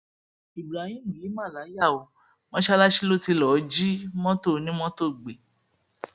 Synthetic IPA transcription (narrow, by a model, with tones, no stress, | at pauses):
i˨bɾa˨hĩ˦˨i˨˦mã˦˨la˨˦ja˦˨o˨ | mɔ̃˦ʃa˦la˦ʃi˦lo˦˨ti˧lɔ˨d͡ʒi˦mɔ̃˦to˦˨nĩ˦mɔ̃˦to˦˨ɡ͡be˨